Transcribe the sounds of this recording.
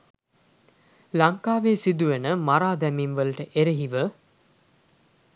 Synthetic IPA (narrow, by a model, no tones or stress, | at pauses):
lɐŋkaːʋeːsid̪uʋenəmaɾaːd̪æminʋəlɐʈəʔeɾeɦiʋə